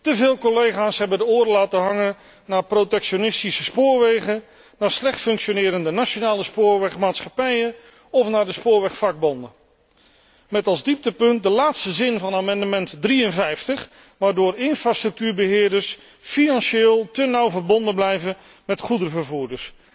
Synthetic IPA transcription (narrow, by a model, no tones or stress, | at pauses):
təvɪːlˠkɔlejχaːsɦɛbədəʊːɾəlaːtəɦɑŋən | naːprotɛkʃonɪstisəspʊːɹʋejχə | naːɹslɛχtfɵŋkʃonɪːɾəndənaʃonaːləspʊːɹʋɛχmaːtsχɑpɛjən | ɔfnaːdəspʊːɹʋɛχfɑɡ̚bɔndə | mɛtɑlˠzdip̚təpɵnt̚dəlaːtstəzɪnvɑnaːmɑndəmɛntdriənvɛjftəχ | ʋaːɹdʊːɹɪnfraːstrɵk̚tyːɹbəɦɪːɹdəɹs | finɑnʃeːlˠtənɑwvəɹbɔndənblɛjvən | mɛtχudərəvəɹvuːɹdəɹs